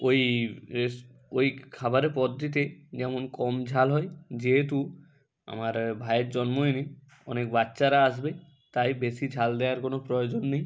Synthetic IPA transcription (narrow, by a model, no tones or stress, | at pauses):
oj | ojkʰabaɾepɔd̪ːit̪̬ed͡ʒɛmonkɔmd͡ʒʱalɦɔjd͡ʑeɦet̪̬u | a̰maɾbʱajeɾd͡ʒɔnmojni | ɔnek̚batːʃaɾaas̬be | t̪ajbesid͡ʑʱald̪eaɾkonopɾojod͡ʒonːej